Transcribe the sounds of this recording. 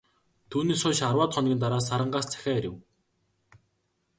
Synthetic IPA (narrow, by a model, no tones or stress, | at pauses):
t̪ʰuːniːsʊːʃarwaːt̪χɔnɡʲĭːnt̪aɾaːs̬aɾə̆ɴɢaːst͡sʰæ̥xʲæːeɾʲɪ̰̆w